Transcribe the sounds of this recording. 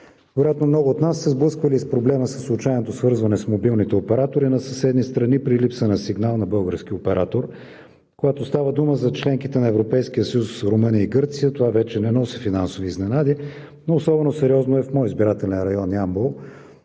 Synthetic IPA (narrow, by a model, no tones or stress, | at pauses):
vɛɾojat̪nomnɔɡʊːt̪nasːɛzblˠɤskvəlispɾoblɛməsəslˠut͡ʃajnot̪osvɤɾzvɐnɛsmobilˠnit̪ɛopɛɾat̪oɾinɐsɐsɛd̪nist̪ɾɐnipɾilipsənəsiɡnalˠnɐbɤlˠɡəɾsk̟ʲiopɛɾʔat̪oɾ | koɡat̪ost̪avəd̪uməzɐt͡ʃlɛŋkit̪ɛnɐɛvɾopɛjsk̟ijəsəjusːɾʊmɤniəiɡɤɾt̪sijət̪ovavɛt͡ʃɛnɛnɔsɛfinansoviːznɛnad̪i | noːsɔbɛnosɛɾiɔznoɛfmɔjizbiɾat̪ɛlɛnɾɐjɔniambolˠ